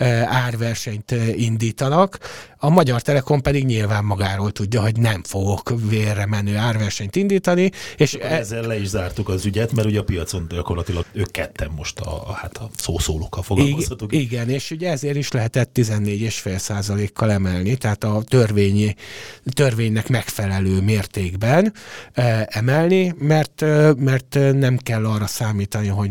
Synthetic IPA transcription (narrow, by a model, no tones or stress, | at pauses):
aːrvɛrʃɛɲt̪ind̪iːt̪ɒnɒkɒmɒɟɒrt̪ɛlɛko̞mpɛd̪iɡɲilvaːmːɒɡaːɾoːlt̪uɟːɒɦo̞ɟnɛɱfo̞ɡo̞kveːrːɛmɛnːøːaːrʋɛrʃɛɲt̪ind̪iːt̪ɒnieːʃɛzːɛllɛiʒzaːrt̪ukɒzyɟɛt̪mɛɾuɟɛɒpijɒt̪so̞nɟɒko̞rlɒt̪ilɒɡøːkkːɛt̪ʰːɛmːo̞ʃt̪ɒ̰hat̪ʰɒsoːsoːlokːɒlfoɡimɒt̪uiɡɛneːʃuɟɛɛzeːɾiʃlɛɦɛt̪ɛt̪ːizɛnːeːɟeːʃfeːlsaːzɒleːkʰːɒlɛmɛlnit̪ɛɦaːt̪ɒt̪ørveːɲit̪ørveːɲːɛkmɛkfɛlɛløːmeːrt̪eːɡbɛn | ɛmɛlnimɛrt̪ømɛrt̪nɛmkɛlːɒrːɒsaːmiːt̪ɒniɦo̞